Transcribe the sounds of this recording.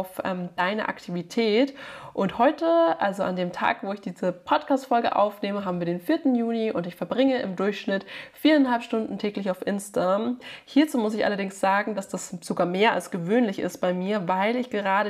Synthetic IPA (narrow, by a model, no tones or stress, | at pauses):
ʊfʔɛ̰ːmd̥aɪnə̰ʔa̰ktʰivitʰɛːtʔʊnthɔʏtəʔalzoʔandeːmtʰa̰ːkvoːɪçd̥iːzəpʰɔtkʰaːstfɔlɡə̰ʔa̰ʊfneːməɦaːbm̩viːɐdeːnfiːɐtn̩juːniʔʊntɪçfɛɐbʁɪŋəʔɪmdʊɐçʃnɪtfiːɐanɦalpʃtʊndn̩tʰɛːklɪçaʊfʔɪnstmhiːɐt͡suːmʊsɪçʔa̰lɐdɪŋsz̥aːɡŋ̩d̥asd̥asz̥oɡaːɐmeːɐa̰lsɡ̥əvøːnlɪçɪ̰stb̥aɪmiːɐvaɪlɪçɡ̥əʁ̞aːɾə